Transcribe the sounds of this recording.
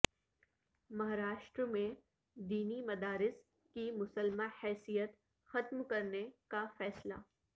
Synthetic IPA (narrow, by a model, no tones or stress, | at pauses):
mɐɦaɾaːʃʈɾmẽ | d̪iːnimɐd̪aːɾɪs | kimʊsəlmahɛːsijət̪ | xɐt̪mkɐɾnekafɛːsla̰ː